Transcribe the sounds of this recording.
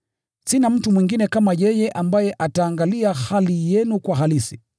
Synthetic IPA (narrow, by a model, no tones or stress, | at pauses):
sinam̩tumwiŋɡinɛkamajɛjɛʔambajɛʔataːŋɡaliahalijɛnukwaɦalisi